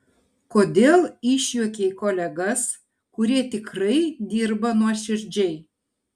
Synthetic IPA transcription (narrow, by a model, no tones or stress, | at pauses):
kod̪ʲelˠiʃʲjokʲejkolʲɛɡəs | kuɾʲeːt̪ʲɪkrəjd̪ʲirbɐnuɔʃɪrʲd͡ʒej